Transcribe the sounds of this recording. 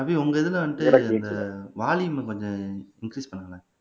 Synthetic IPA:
ɐpiʊŋɡɐɛðɯlɐ̃ʋɐnʈɯɛɾɐd̪ɐʋaːɭiɯmɐkɔɲd͡ʒɔ̃ɪŋkɾiːspɐɳːɯŋɡɐlaː

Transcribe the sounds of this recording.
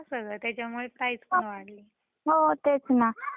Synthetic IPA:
asəɡɭət̪jat͡ɕjamuɭepɾaid͡zpaʋaɽ̤li | ɦot̪et͡sna

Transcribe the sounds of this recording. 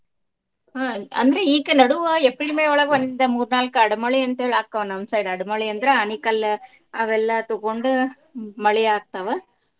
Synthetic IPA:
aːɐ̰nd̪ɾɐiːkːɯnɐɽɯʋaɛpːɐɽimeːɔɭɐɣɯʋɐnd̪ɪnd̪ɐmuːɾɯnaːlkːɯɐɽɯmɐɭiɛnt̪eɭaːk̚tːɐʋɐnɐnsɐjɽɐɽɯmɐɭiɛnd̪ɾaɐnikːɐlː | ɐʋɛlːaːt̪ukoɳɖɯ | mɐɭɪjaːk̚t̪ɐʋɐ

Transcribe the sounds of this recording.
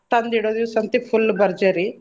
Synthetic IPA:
t̪ɐnd̪iɽoːd̪iʋsɐnt̪epʰulːbɐɾd͡ʒɐɾi

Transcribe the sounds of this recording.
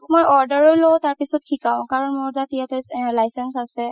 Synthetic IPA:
mojʔɔɹdəɹɔlowtaɹpisɔt̚kʰikaw̃kaɹɔnmoɹdatijatɛlajsɛnsasɛ

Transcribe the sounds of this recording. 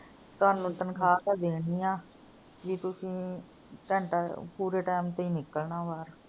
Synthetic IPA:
t̪aːɾnũːt̪ənkʰaːt̪aːd̪eːniːãː | d͡ʒiːt̪ʊsĩː | t̪ɛ̃ːɳʈapuːɾeːʈaːmt̪əiːnɪkəlnãːʋaːɾ

